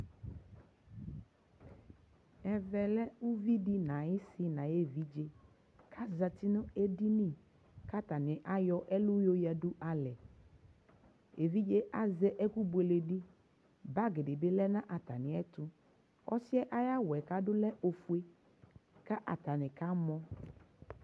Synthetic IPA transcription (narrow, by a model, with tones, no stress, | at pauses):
ɛ˨vɛ˨lɛ˦u˦vi˦di˦nã˨jɪ˦sɪ˦nã˨je˦vi˦d͡ʒe˦ | kʰa˦za˨tɪ˦nʊ̃˦e˦di˦nĩ˦˨ | ka˦ta˨nɪ̃˨ʔa˦jɔ˦ʔɛ˦lʊ˦jo˦ja˨dʊ˦ʔa˨lɛ˨ | e˨vi˦d͡ʒe˦ʔa˦zɛ˦ʔɛ˦ku˦bu˨e˨le˨di˦ | ba˦ɡɪ˨ɖɪ˨be˦lɛ˦nã˦ʔa˨ta˨nɪ̃˨ɛ˦tʊ˦ | ɔ̰˦sɪ˦ɛ˦ʔa˦ja˦wɛ˨ka˦dʊ˦lɛ˦ʔo˨fu˦e˦ | ka˦ʔa˨t̪a˨nɪ˨ka˦mɔ̃˦